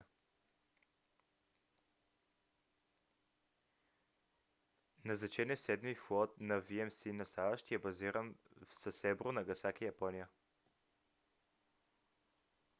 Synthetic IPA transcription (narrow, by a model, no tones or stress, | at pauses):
nɐznɐt͡ʃɛnɛfsɛd̪miflˠɔt̪nɐviɛmsinɐst̪avəʃt̪iɛbɐziɾənfsɐsɛbɾonɐɡɐsakijɐpɔnijə